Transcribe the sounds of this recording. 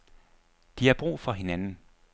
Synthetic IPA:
d̥ihɑb̥ʁṵːfɒ̽ɦe̝nænn̩

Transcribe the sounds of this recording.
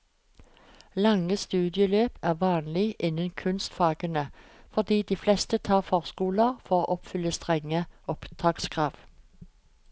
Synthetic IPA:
lɑŋəst̪ʉːd̪ɪəløːpæːʁʋɑːnlɪʔɪnənkʰʉnst̪fɑːɡənə | fɔʁd̪iːd̪iːflɛst̪ət̪ʰɑːʁfɔʁskuːləʁfɔʁoːʔɔpfʏlːəst̪ʁɛŋəɔpt̪ʰɑːkskʰʁɑːʋ

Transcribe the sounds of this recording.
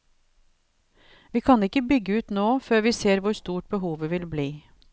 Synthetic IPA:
ʋiːkʰɑnɪkəbʏɡəʉːt̪noːføːɾʋiːseːɾʋʊɾst̪uːʈ̚bəɦuːʋəʋɪlbliː

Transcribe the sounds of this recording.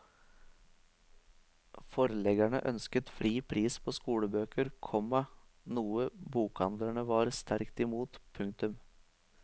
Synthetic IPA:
fɔɾəlɛɡæɳə̰ʔœnskət̪fɾiːpʰɾiːspʰoːskuːɽəbøːkəɾkʰɔmɑnuːəbuːkɑnd̪ləɳəʋɑːɾst̪ʰæɾkt̪ɪmuːt̪pʰʉŋk̚t̪ʉm

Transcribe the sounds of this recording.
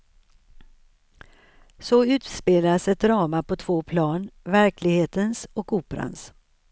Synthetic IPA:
sɔʉ̟ːt̪speːlasɛt̪̚d̪ɾɑːmapɔt̪ʰv̥oːpʰlɑːnvæɾklɪɡheːt̪ənsɔkuːpɾa̰ns

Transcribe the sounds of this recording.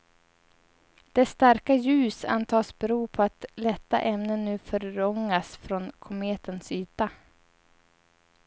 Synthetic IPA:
d̪̥ɛst̪aɾkajʉ̟ːsa̰nt̪ʰɑːsbɛɾuːpʰɔat̪lɛt̪ːa̰ʔɛmnənːʉ̟ːfœɾːɔŋːasfɾɔnkʰʊmeːt̪ənsyːt̪a

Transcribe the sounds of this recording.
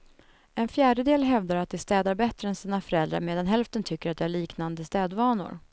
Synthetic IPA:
ɛnfjæːɖəd̪eːlɦɛvd̪aɾat̪̚d̪ɛst̪ɛːd̪aɾbɛt̪ːɾəɛnsiːnafœɾɛld̪ɾa̰meːd̪anɦɛlft̪ənt̪ʰʏkːəɾat̪̚d̪ɛæɭiːknand̪əst̪ɛːd̪vɑːnʊ̰ɾ

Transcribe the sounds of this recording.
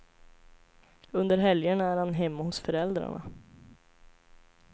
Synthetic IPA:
ɵnd̪əɾɦɛljəɳaæːɾhanɦɛmːahʊsfœɾɛld̪ɾa̰ɳa̰

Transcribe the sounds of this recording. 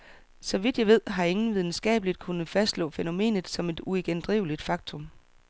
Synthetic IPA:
sɒ̽ʋid̥jɑ̈ɪʋe̝ð̞̰ˠɦɑ̈e̝ŋn̩ʋið̞ˠn̩sɡ̥ɛ̰ːb̥əlid̥kʰunð̩ˠfæsd̥lɔ̰̽ːfeno̝me̝̰ːnð̩ˠsɒ̽me̝d̥ueɡ̥end̥ʁiʊlid̥fɑ̈ɡ̥t͡sʰɔ̽m

